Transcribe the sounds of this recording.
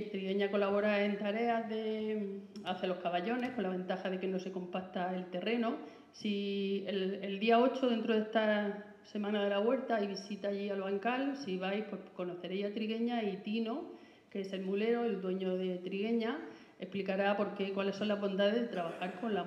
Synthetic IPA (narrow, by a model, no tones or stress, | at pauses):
t̪ɾiɣe̞ɲako̞laβ̞o̞ɾae̞nt̪aɾe̞aðe̞ | aθelo̞hkaβaʎo̞ne̞hko̞nlaβ̞ẽ̞nt̪axaðe̞ke̞no̞se̞ko̞mpaɾt̪ae̞lt̪e̞re̞no̞ | sieeld̪iao̞t͡ʃo̞ðe̞nt̪ɾo̞ðe̞hst̪a | se̞mãnaðe̞laɣwe̞ɾt̪aajβisit̪aːʎialβaŋkalsiβajhpwe̞hko̞no̞θe̞ɾe̞jat̪ɾiɣe̞ɲait̪ino̞ | keese̞lmule̞ɾo̞eld̪we̞ɲo̞ðe̞t̪ɾiɣ̞e̞ɲa | e̞hplikaɾapo̞ɾke̞kwale̞sːo̞nlazβõ̞nd̪aðeðɦðet̪ɾaβaxaɾko̞nla